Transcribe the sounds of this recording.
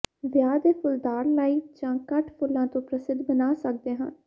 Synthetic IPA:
ʋjaːd̪eːpʰʊld̪aːɾlaːiːd͡ʒãːkəʈʰpʰʊlːãːt̪õːpɾəsɪd̪bənaːsək̚d̪eːɦən

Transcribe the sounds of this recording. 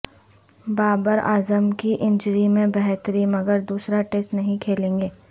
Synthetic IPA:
baːbəɾa̰ːzəmkiʔɪ̃ɲd͡ʒəɾimẽbɛɦt̪ɾimɐɡəɾd̪uːsɾaʈeːsʈnɐɦĩkʰeːlẽːŋɡeː

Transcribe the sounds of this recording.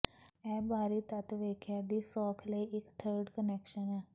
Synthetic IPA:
ɛːbaːɾit̪ɐt̪ʋeːkʰjad̪iːsɔːkʰləiʔɪkʈʰəːɾɖkənɛːkʃənɛː

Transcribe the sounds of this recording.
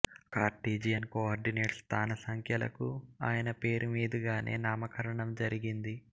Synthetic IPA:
kaːɾʈiːd͡ʒijɐnkoaːɾɖineːʈst̪ʰaːnɐsɐŋkʰjɐlɐ̰kua̰ːjɐnɐpe̞ːɾumiːd̪uɡaːnʔe̞̰ːnaːmɐkɐɾɐɳɐmd͡ʒɐɾiɡind̪i

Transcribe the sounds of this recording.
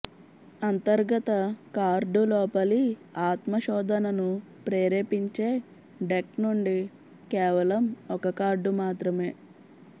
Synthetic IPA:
ɐnt̪ɐɾɡɐt̪ɐkaːɾɖulɔːpɐliaːt̪mɐʃɔːd̪ʱɐnɐnu | pɾeːɾeːpiɲt͡ʃe̞ː | ɖeknuɳɖi | kɛːʋɐlɐmɔkɐkaːɾɖumaːt̪ɾɐme̞ː

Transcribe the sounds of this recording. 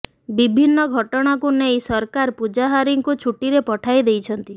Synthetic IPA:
bibʱinːɔɡʱɔʈɔɽ̃akunejsɔɾkaɾpud͡ʒaɦaɾiŋkut͡ʃʰuʈiɾepɔʈʰajd̪ejt͡ʃʰɔnt̪i

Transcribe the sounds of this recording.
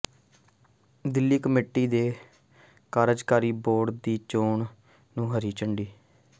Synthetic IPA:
d̪ɪlːiːkəmeːʈːiːd̪eː | kaːɾəd͡ʒkaːɾiːboːɽd̪iːt͡ʃoːɳ | nũːɦəɾiːt͡ʃəɳɖiː

